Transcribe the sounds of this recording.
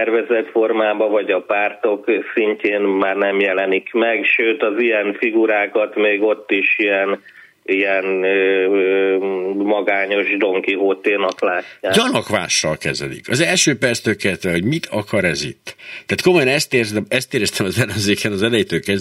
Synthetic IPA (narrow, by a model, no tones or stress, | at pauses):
ɛrvɛzɛt̪fo̞rmaːbɒvɒɟɒpaːrt̪o̞ksiɲceːnmaːrnɛmjɛlɛnikmɛkʃøːt̪ɒzijɛnfiɡuɾaːkɒt̪meːɡo̞t̪ːiʃijɛn | ijɛnː | mɒɡaːɲo̞ʒd̪o̞ŋkiɦoːt̪eːnɒklaːcːaːɟɒnɒkʋa̰ːʃːɒlkɛzɛ̰lḭkɒzɛlʃøːpɛrt̪st̪økɛlt̪ʋɛɦo̞ɟmit̪ʰɒkɒɾɛzḭt̪ːt̪ːaːt̪̚ko̞mo̞jɒnɛst̪eːrzɛɛst̪eːɾɛst̪ɛmɒzɛlømzeːkʰɛnɒzɛlɛjit̪øːkɛz